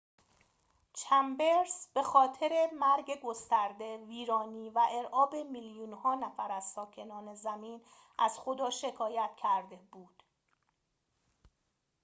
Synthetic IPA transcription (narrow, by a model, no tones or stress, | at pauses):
t͡ʃʰæmbeɾsb̥e̞xɒːt̪ʰe̞ɾe̞mæɾɟeɡo̞st̪æɾd̪e̞viːɾɒːniːvæʔe̞ɾʔɒːbe̞miljuːnhɒːnæfæɾæzsɒːcʰe̞nɒːne̞zæmiːn | ʔæz̥xod̪ɒːʃe̞kʰɒːjæt̪̚cʰæɾd̪ebuːd̪̥